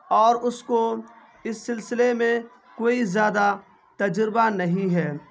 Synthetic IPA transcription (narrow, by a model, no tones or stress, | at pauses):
ɔːɾʊsko | ɪsːɪlsɪlemẽ | koːizjaːd̪a | t̪ɐd͡ʒɾɪbanɐɦĩɦɛː